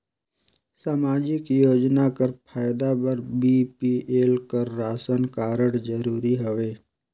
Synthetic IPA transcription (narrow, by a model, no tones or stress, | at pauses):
saːmaːd͡ʒɪkjoːd͡ʒnakəɾpʰaːjd̪abəɾbiːpieːlkəɾːaːsənkaːɾəɽd͡ʒəɾuːɾiɦoʋeː